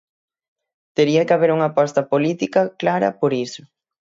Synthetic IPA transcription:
t̪eɾiɐkɪaβeɾuŋɐpast̪ɐpolit̪ikɐklaɾɐ̰poɾisʊ

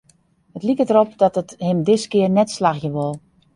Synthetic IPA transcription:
hətlikədəɾop̚dɔtəthɪmdɪskɪərnɛtslaxjəʋʊlˠ

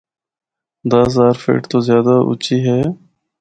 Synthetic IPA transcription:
d̪azaːɾfḛːʈt̪oːzjaːd̪aʔʊ̰t͡ʃiːɦɛː

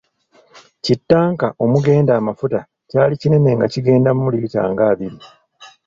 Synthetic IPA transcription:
citːaːŋkaʔo̞muɡe̞ːndaːmafuta | caːlicine̞ne̞ŋɡaciɡe̞ːndamumuliita̰ːŋɡaːβiɾi

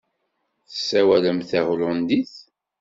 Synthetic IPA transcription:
θə̥sːæwæləmθæʁlʊnd̪iθ

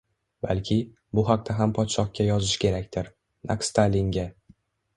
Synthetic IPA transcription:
balkʲʰɪ | bʊɦaq̚t̪ʰaɦampʰɒt̪ʃɒq̚kʲʰːajɒzɪʃkʲʰe̞ɾakʲt̪ʰɪɾ | na̰kst̪ʰalʲiŋɡʲa

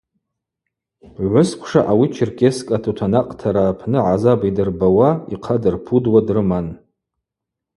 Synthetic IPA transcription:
ʕʷʊskʷʰʂaʔawit͡ʃʰɪrkʰʲʼeskʼatʰutʰanaqʼtʰaɾaːpʰnɨʕazabidɨrbawaiqʰadɨrpʰudwadrɨman

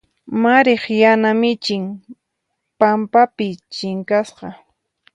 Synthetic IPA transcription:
maɾeχjanamɪt͡ʃɪŋ | pampapɪt͡ʃɪŋkasqɑ

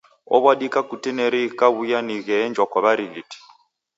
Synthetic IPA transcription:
ɔ̰βwaɗikʼakutinɛɾikaβujaniɣɛːnd͡ʒwakaβaɾiɣiti̥

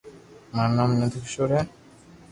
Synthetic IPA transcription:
maɾnamnet̪ikʃoɾe

